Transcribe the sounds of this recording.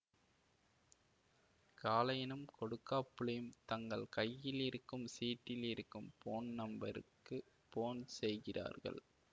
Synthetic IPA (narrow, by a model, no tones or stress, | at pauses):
kaːlɐjɪnɯmkɔɽɯkːaːpːɯɭɐjɯmt̪ɐŋɡɐɭkɐjːɪlɪɾɯkːɯmsiːʈːɪlɪɾɯkːɯmpoːnnɐmbɐɾɯ̰kːɯ | poːnsɛjɣɪrʔa̰ːɾɣɐ̰ɭ